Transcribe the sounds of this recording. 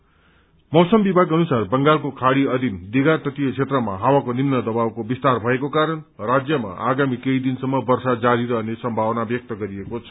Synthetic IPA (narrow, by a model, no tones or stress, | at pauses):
mʌwsʌmbibʱaɡʌnusarbʌŋɡalkokʰaɽiʌd̪ʱind̪iɡart̪ʌt̪ijʌt͡sʰet̪rʌma̰ɦawakonimnʌd̪ʌbawkobist̪arbʱʌekokaɾʌn | rad͡zjʌma̰ʔaɡamikeid̪insʌmːʌbʌrsad͡zaɾiɾʌɦʌnesʌmbʱawʌnabjʌk̚t̪ʌɡʌɾiekot͡sʰʌ